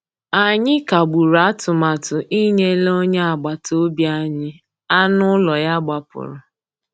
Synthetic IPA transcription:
a˨ɲɪ˦ka˨ɡ͡bu˨ɾa˦tʊ˨ma˨tʊ˨ʔi˦ɲe˦lo˦ɲe˦a˨ɡ͡ba˨to˦bja˦ɲɪ˦ | a˦nʊ˦lɔ˨ja˦ɡ͡ba˨pʊ̰˨ɾʊ˨

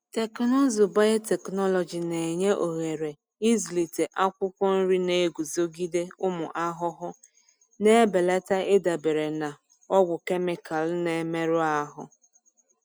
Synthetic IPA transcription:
te˨knɔ˦zʊ˨ba˦je˦te˨knɔ˦lɔ˨d͡ʒi˨ne˨e˨ɲe˦ʔo˨ɣe˨ɾe˨ | i˦zli˨te˨ʔa˦kʷʊ˦kʷɔ˦n̩˦ɾi˦ne˦˨e˦ɡʷu˨zo˦ɡi˦de˦ʊ˦mʊ˨ʔa˦ɦʊ˦ɦʊ˦ | ne˦be˨le˦ta˦ʔe˦da˨be˨ɾe˨na˨ | ɔ˦ɡʷʊ˨ke˦mɪ˨ka˨lne˨me˦ɾʊ˦a˦ɦʊ˦

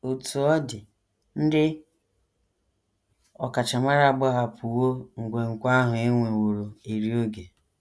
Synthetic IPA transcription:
o˨tu˨ɔ˦dɪ˨ | n̩˦dɪ˦ | ɔ˨ka˨t͡ʃa˨ma˦ɾa˦˨a˨ɡ͡bɔ˦ɦa˨pʰu˨wo˦ŋ̩˨ɡʷe˨ŋ̩˨kʷa˦ɦʊ˨e˦ŋʷe˨wo˨ɾo˨e˨ɾi˦o˦ɡe˨

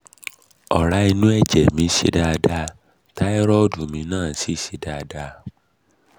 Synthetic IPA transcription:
ɔ̰˨ɾa˨˧˦i˧nũ˦ɛ˦˨d͡ʒɛ˨mĩ˨˦ʃḛ˧˦da˧da˧ | ta˦ɛ˦ɾɔ˦˨du˨mĩ˨˧˦nãː˦˨si˨˦ʃi˧da˧da˧

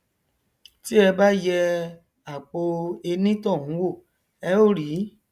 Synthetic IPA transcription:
ti˦ɛ˧ba˦jɛ˧ | a˨k͡po˧e˧nĩ˦tɔ̃˦˨hũ˨˦wo˦˨ | ɛ˧o˦˨ɾi˨˦

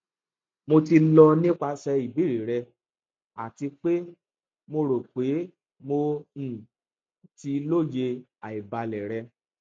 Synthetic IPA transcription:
mo˧ti˧lɔ˧nĩ˦k͡pa˧ʃɛ˧i˨bi˨˦ɾi˨ɾɛ˧ | a̰˨ti˧k͡pe˦ | mo˧ɾo˨k͡pe˨˦ | mõ˧˨ | ti˧lo˦˨je˧ | a˨i˨ba˧lɛ˨ɾɛ˧

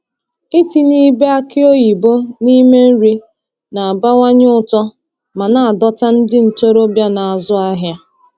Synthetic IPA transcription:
i˦ti˨ni˦be˦a˦kɪ˦o˦ji˨bo˦ni˦me˦n̩˦ɾi˦ | na˨a˨ba˦ŋʷa˦ɲ˦ʊ˦tɔ˦ | ma˨na˨a˨dɔ˦ta˦n̩˦dɪ˦n̩˨to˦ɾo˦bja˦na˨a˨zʊ˦a˦ɦja˦

